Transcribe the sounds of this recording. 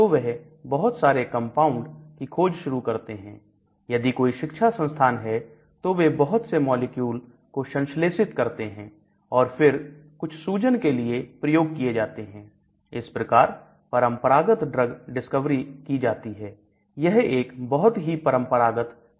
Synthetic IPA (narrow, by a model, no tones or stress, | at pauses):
t̪oʋɛɦ | bɐɦʊt̪saːɾekɐ̃mpaːʊ̃ɳɖkikʰoːd͡ʒʃʊɾukɐɾt̪eɦɛ̰̃ː | jɐd̪ikoːiʃɪkʃʰasə̃nst̪ʰaːnɦɛ | t̪oʋebɐɦʊt̪semɔːlekjuːl | koʃɐ̃nʃleːsɪt̪kɐɾt̪eɦɛ̃ː | ɔːɾfɪɾkʊt͡ʃʰsuːd͡ʒənkeliepɾɐjoːɡ̚kied͡ʒaːt̪eɦɛ̃ː | ɪspɾɐkaːɾ | pɐɾə̃mpəɾaːɡət̪ɖɾəɡɖɪskəʋɾikid͡ʒaːt̪iɦɛː | jɛɦeːkbɐɦʊt̪ɦipɐɾə̃mpəɾaːɡət̪